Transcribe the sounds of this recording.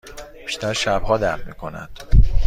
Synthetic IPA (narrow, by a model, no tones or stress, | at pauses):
b̥iʃt̪æɾʃæb̥hɒːd̪æɾfmḭːkʰo̞næ̰nd̪̥